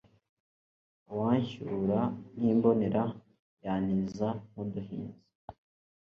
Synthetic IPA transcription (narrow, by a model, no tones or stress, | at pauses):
waːɲçuɾan̥iːmbo̞ne̞ɾa | jaːnizamuduɦḭːnzi